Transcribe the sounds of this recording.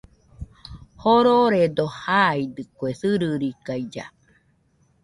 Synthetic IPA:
hoɾoɾed̪ohaid̪ɨkwesɨɾɨɾikajd͡ʒa̰

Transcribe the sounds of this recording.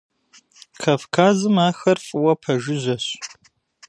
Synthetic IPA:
kʰafkʰaːzɨmaːxɐrfʼwɐpʰɐʒɪʑɐɕ

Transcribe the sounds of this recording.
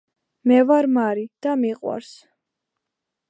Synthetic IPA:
mɛvaɾmaɾid̪̥amiqʼwa̰ɾs

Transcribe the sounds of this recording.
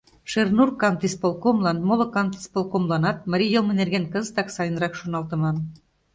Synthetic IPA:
ʃernurkɑnt̪ispolˠkomlˠɑnmolŏkɑnt̪i̥spolˠkomlˠɑnɑt̪̚mɑɾʲijolˠmɘ̆nerɡenkɤ̆zt̪ɑksɑjɤ̆nɾɑkʃonɑlˠt̪ɤ̆mɑn

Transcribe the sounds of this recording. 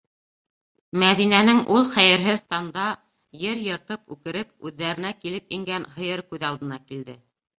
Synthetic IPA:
mæðinænɘŋʔulˠχæjɘ̆ɾɦɘðt̪ɑnd̪ɑ | jɘɾjɤ̆ɾt̪ɤpʉ̰kɘ̆ɾɘp̚ʉðːæɾɘ̆nækilɘpiŋɡænhɤ̆jɤɾkʉðɑlˠd̪ɤ̆nɑkild̪ɘ

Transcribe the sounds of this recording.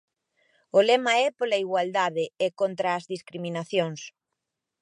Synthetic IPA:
ʊlɛmaɛpolaiɣwald̪aðɪekont̪ɾaːzðiskɾimĩnaθjoŋs

